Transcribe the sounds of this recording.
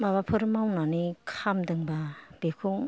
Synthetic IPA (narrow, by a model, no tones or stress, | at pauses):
maβapʰɯɾmawnanikʰamdɯŋbab̥ekʰuŋ